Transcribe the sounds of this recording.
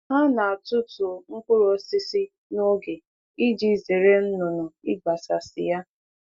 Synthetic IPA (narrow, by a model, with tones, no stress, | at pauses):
ɦa˦na˨a˨tʊ˦tʊ˨ŋ̩˦k͡pʊ˦ɾo˦si˦si˦ | no˦ɡe˨ | i˦d͡ʒi˦˨ze˨ɾe˦n̩˦nʊ˨nʊ˨ɪ˦ɡ͡ba˨sa˨sɪ̰˨ja˦